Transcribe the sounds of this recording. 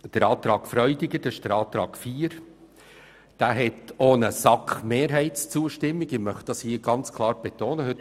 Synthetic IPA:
d̥əɾɑːt̪ɾɑːɡ̥fɾœʏdɪɡəɾd̥ɛɪʃd̥əɾɑːt̪ɾɑːɡ̥fiːɾ | d̥æːɦɛtoːnəsɑkχmeːɾɦɛɪtst͡suːəʃtɪmːɪɡɪmœχt̚d̥ɑshiːɡ̥ɑnt͡skʰlˠɑːɾb̥ɛt̪oːnəhɵt

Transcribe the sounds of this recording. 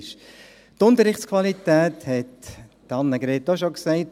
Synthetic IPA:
ʃ | tʊnt̪əɾɪχtskʰvɑlit̪ɛːthɛtː | ɑnːəɡɾeːtːɔʃoksɛɪt

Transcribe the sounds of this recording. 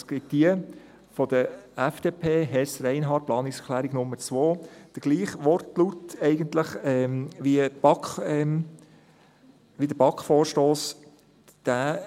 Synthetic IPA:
sɡ̥ɪt̚d̥iə | fɔd̥əɛfd̥eːpʰeːɦɛsɾɛɪnɦɑːt̚plɑːnɪksɛkʰlæːɾiɡ̥nʊmːəɾt͡sʋoːd̥əɡ̥liːχʋɔrtlutɛɪɡənt̪ləχɛmʋib̥ɑkχɛm | ʋidəb̥ɑkχfɔːɾʃtoːs | d̥æː

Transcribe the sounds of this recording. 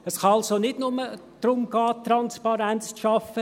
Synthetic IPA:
əsχɑɑlsonɪdnʊmə | d̥ɾʊmɡɑːtrɑnspɑɾænt͡sʃɑfə

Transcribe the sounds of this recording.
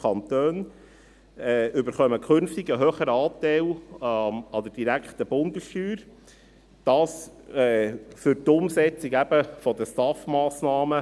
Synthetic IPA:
kʰɑnt̪øːn | ɛʏbəɾχœməkʰχønftiɡəɦøːχəɾəɑːt̪æɪl | ɑd̥̪əd̥iɾækχt̪əbʊndəsʃtyːɾ | d̥ɑːsɛfʏɾtʊmsɛt͡siɡæb̥əfɔd̪əstɑfmɑːsnɑːmə

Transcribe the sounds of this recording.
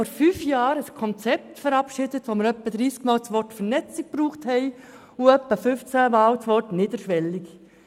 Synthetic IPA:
fɔɾfyːfjɑːɾəskʰɔnt͡sɛp̚tfəɾɑpʃɪdətʋoməɾœpːəd̪ɾiːskmɑːlt͡sʋɔɾtfəɾnɛt͡sik̚b̥ɾuːχthɛɪ | ʊœpːəfʏft͡sæmɑːwt͡sʋɔtnɪːd̪əɾʃʋɛlːik

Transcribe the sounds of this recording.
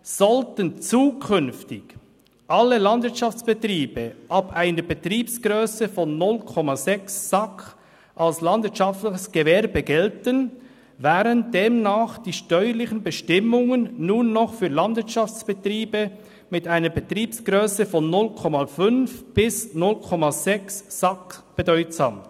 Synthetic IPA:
z̥ɔltənt͡suːkʰʏnftɪç | ʔɑlːəlɑndvɪəɐtʃaft͡sb̥ətʁiːb̥əʔapaɪnəbətɾiːpsɡ̥ʁøːsəfɔnːʊlkʰɔmazɛksːɑkʰ | ʔalslɑndvɪɐtt͡ʃʃaftlɪçəsɡ̥əvɛːɾbəɡɛltən | vaːɾəndeːmnaːχd̥iːʃtœʏəlɪçənbəʃtɪmʊŋənːuːnːɔχfyːɐlɑnd̥vɪɐtʃɑft͡sb̥ətɾiːbə | mɪtaɪnəbətʁiːpsɡ̥ʁøːsəfɔnːʊlkʰɔmafʏnfb̥ɪsnʊlkʰɔmaz̥ɛksːɑkb̥ədɔʏtsa̰ːm

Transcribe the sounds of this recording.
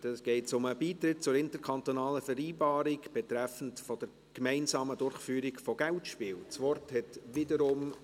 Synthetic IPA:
d̥ɑsɡ̥ɛɪtsʊməbiːt̪ɾɪt̚t͡sʊɾɪntəɾkʰɑnt̪onɑːləfɛɾiːbɑːɾɪkb̥ɛtɾɛfən̩tfɔd̥əɾ | kmæɪnsɑːmədʊɾχfyːɾɪkfɔɡ̥æltʃpiːlt͡sʋɔrthɛtvɪdəɾʊm

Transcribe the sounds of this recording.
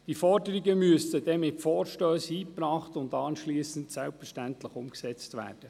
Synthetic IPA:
d̥ifɔɾdəɾiɡəmyəstəd̥ɛmɪtfɔːɾʃtøːshiːpɾɑːχtʊndɑːnʃliːsəntsɛlpfəɾʃtæntləχʊmksɛt͡stʋæ̰ːɾd̥ə

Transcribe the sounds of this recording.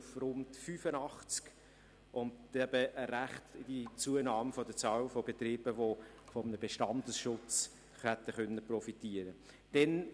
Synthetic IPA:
frʊntfyːfənɑχt͡sk | ʔʊntɛbəʔəɾæχt̪ɪd̥it͡suənɑːmfɔd̥ət͡sɑːwfɔb̥et̪ɾiːb̥əʋo | fɔmənəb̥eʃtɑndəsʃʊt͡s | χæt̪ːəχœnːəprɔfit̪iːəɾə | d̥ɛn

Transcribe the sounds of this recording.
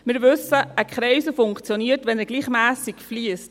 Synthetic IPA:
mɪːɾʋʏsəʔəkχɾɛɪsəfʊŋkt͡sjoniːəɾtʋɛnɛɡ̥liːχmæːsikfliəst

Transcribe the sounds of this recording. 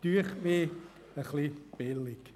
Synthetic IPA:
d̥yːəχmeː | əχlib̥ɪlɪɡ̥

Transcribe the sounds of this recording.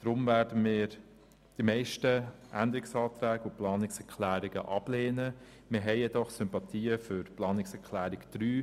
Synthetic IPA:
d̥ɾʊmvæːɾdənmɪːɾ | d̥imɛɪʃtəʔænd̪əɾɪksɑːt̪ɾæːɡʊplɑːnɪksɛɾkʰlæːɾɪɡ̥ə̰ʔɑb̥leːnə | mɪɾɦɛɪjɛd̪ɔχsʏmpɑt̪ʰiːəfʏɾplɑːnɪksɛɾkʰlæːɾɪkd̪̥ɾyː

